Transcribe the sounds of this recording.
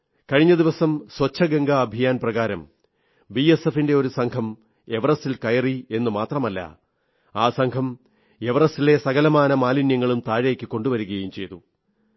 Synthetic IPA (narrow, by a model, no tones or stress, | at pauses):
kɐɻiɲːɐd̪iʋɐsɐmswɐt͡ɕʰːɐɡɐŋɡɐːbʱijaːnprɐɣaːɾɐm | biesefinde̞o̞ɾusɐŋkʰɐm | e̞ʋɐrɐsilkɐjɐrie̞nːɨmaːt̪rɐmɐlːɐ̰ | aːsɐŋkʰɐm | eʋɐrɐsile̞sɐɣɐlɐmaːnɐmaːlinjɐŋːɐɭumt̪aːɻeːkʲːɨkːo̞ɳɖuʋɐɾuɣɐjumt͡ɕe̞jt̪u